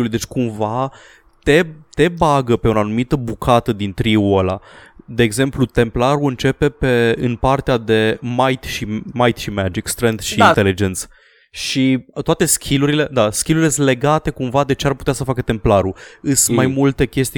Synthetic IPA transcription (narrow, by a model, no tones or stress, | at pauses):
ulujd̪e̞t͡ʃʲkumva | t̪e̞t̪e̞baɡəpeunanumit̪əbukʰat̪əd̪int̪ɾiuolad̪e̞ːɡze̞mplut̪e̞mplaɾuɨnt͡ʃe̞pe̞pe̞ɨnpart̪ead̪e̞majt̪ʃimajt̪ʃimæd͡ʒikst̪ɾend̪ʃiint̪elid͡ʒe̞nt̪s | ʃit̪oat̪e̞skʲʰiluɾile̞d̪askʲiluɾiləsle̞ɡat̪e̞kumvad̪e̞t͡ʃe̞arput̪easəfakət̪e̞mplaɾuɨsmajmult̪e̞kʲe̞st̪i